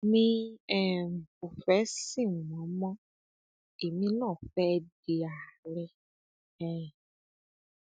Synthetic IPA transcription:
mĩ˦˧ɛ˨m̩˨fu˨fɛ˨˦si˦˨ɔ̃˨˦mɔ̃˦ | e˨mĩ˧nãː˦˨fɛ˦˧de˨a˨ɾɛ˧ | ɛ̃˨

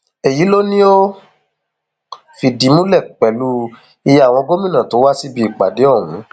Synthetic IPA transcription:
e˨ji˨˦lo˦nĩ˦o˦ | fi˧di˨˦mũ˦lɛ˦˨k͡pɛ˨˦lu˦ | i˧ja˦˨w̃ɔ̃˧ɡo˦mĩ˦nã˨to˨˦wa˦si˦bi˧i˨k͡pa̰˨de˨˦ɔ˦˨wũ˨˦

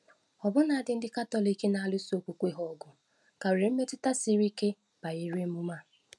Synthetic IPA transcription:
ɔ˨bʊ˦na˨a˨dɪ˦n̩˦dɪ˦ka˦tɔ˦˨li˨˦ke˦na˨a˨lʊ˦so˨kʷu˨kʷe˦ɦɔ˦˨ɡʊ˨ | ka˨wɾe˨m̩˦me˦tɪ˦ta˦si˦ɾi˦ke˦ | b̥a˨i˨ɾe˦mu˦ma˦˨

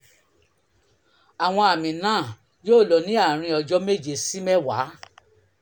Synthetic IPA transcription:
a˨w̃ɔ̃˧a˨mĩ˨nãː˦˨ | joː˦˨lɔ˨nĩ˨˦a˦˨ɾ̃ĩ˧ɔ˧d͡ʒɔ˦me˦˨d͡ʒe˨si˦mɛ˦˨wa̰˨˦

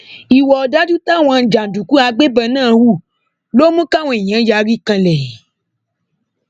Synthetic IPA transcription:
i˨wɔ˨da˦du˦ta˦˨w̃ã˧˨d͡ʒa˨du˨ku˨˦a˧ɡ͡be˦bɛ˧nãː˦˨wu˦˨ | lo˦mũ˦ka˦˨w̃ɛ˨j̃ã˨˦ja˨˦ɾi˦kã˧lɛ˨i˨

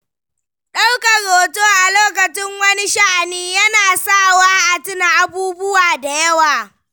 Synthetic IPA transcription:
ɗa˦wka˨ɾoː˨toː˦ʔa˨loː˦kɐ˨t͡ʃɪ˦ŋwɐ˦ni˦ʃa˦ʔa˨niː˦jɐ˦naː˨sa˦˨waː˦ʔa˨tɪ˦na˨ʔa˦buː˦bʊ˦waː˨da˨jɐ˦waː˨

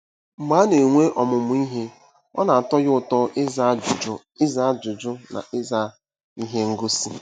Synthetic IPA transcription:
m̩˨ma˨˦ne˨ŋʷe˦ʔɔ˨mʊ˨mʊ˨˦i˦ɦe˦ | ɔ̰˦na˨a˨tɔ˦jʊ˦ʊ˨tɔ˦ʔɪ˦za˦d͡ʒʊ˨d͡ʒʊ˨˦ | ɪ˦za˦d͡ʒʊ˨d͡ʒʊ˦na̰˨ʔɪ˦za˦ | i˦ɦe˦ŋ̩˦ɡo˦si˦

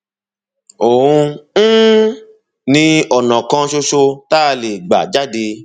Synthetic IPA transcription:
o˨ũ˧˦ | nĩ˧ɔ˨nã˨kã˧ʃo˧ʃo˧ta˦˧le˨ɡ͡ba̰˨d͡ʒa˦de˧

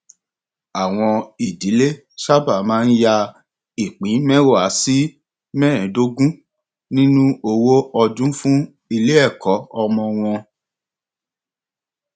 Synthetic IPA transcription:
a˨w̃ɔ̃˧i˨di˨˦le˦ | ʃa˦ba˦˨mãː˦n̩˦ja˧ | i˨k͡pĩ˨˦mɛ̃˦wo˦˨a˨˦si˦ | mɛ̃˦ɾ̃ɛ̃˨˦do˦ɡũ˦ | nĩ˦nũ˦o˧wo˦ɔ˧d͡ʒũ˦fũ˦ | i˧le˦ɛ˦˨kɔ˨˦ɔ˧mɔ̃˧w̃ɔ̃˧

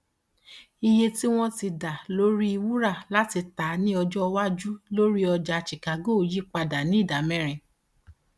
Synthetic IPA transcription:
i˧je˧ti˦w̃ɔ̃˦ti˧da˨lo˦ɾi˦i˧wu˦ɾa˦˨la˦ti˧ta˨˦nĩ˦ɔ˧d͡ʒɔ˦ɔ˧wa˦d͡ʒu˦lo˦ɾi˦ɔ˧d͡ʒa˧t͡ʃi˨ka˨˦ɡo˦˨ji˦k͡pa˧da˨nĩ˨˦i˦˨da˨mɛ̃˦ɾ̃ĩ˧

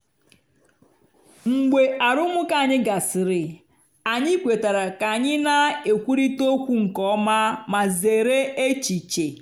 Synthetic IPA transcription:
ŋ͡m̩˨ɡ͡be˨a˨ɾʊ˦mʊ˦ka˨ɲɪ˦ɡa˨sɪ˨ɾɪ˨ | a˨ɲɪ˦kʷe˨ta˨ɾa˨ka˨ɲɪ˦na˦e˨kʷu˦ɾi˦to˦kʷu˦ŋ̩˨kɔ˦ma˦ma˨ze˨ɾe˦e˦t͡ʃi˨t͡ʃe˨

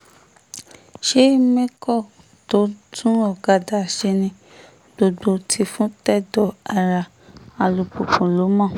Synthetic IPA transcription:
ʃe˦mẽ˦kɔ˦˨ | to˨˦tʰũ˦ɔ˦˨ɡa˨˧da˨ʃe˧nĩ˧ | b̥o˨ɡ͡bo˧tʰi˧fũ˦tɛ˦˨dɔ˨a˨ɾa˧ | a˧lu˧po˨pũ˨lo˨˦mɔ̃˦˨

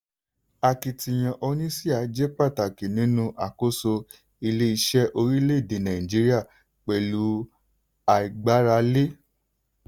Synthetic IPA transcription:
a˧ki˨ti˨j̃ã˧ʔɔ˧nĩ˦si˦a˨˦d͡ʒe˦k͡pa˦˨ta˨ki˨nĩ˨˦nũ˦ʔa˨ko˦so˧ | i˧le˦i˧ʃɛ˦ʔo˧ɾi˦le˦i˦˨de˨nã˨ĩ˨d͡ʒi˦ɾi˦a˦˨ | k͡pɛ˨lu˨˦ | a˨i˨ɡ͡ba˨˦ɾa˧le˦

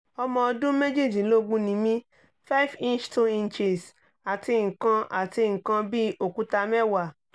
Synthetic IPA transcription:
ɔ˧mɔ̃˧dũ˦me˦d͡ʒi˦˨d͡ʒi˨˦lo˦ɡ͡bũ˦nĩ˨mĩ˧ | fa˦i˦fĩ˦nt͡ʃto˦˧ĩ˧n˨t͡ʃe˨s | a˨ti˧ŋ̩˨kã˧ʔa˨ti˧ŋ̩˨kã˧bi˦o˨ku˨˦ta˧mɛ˦wa˨

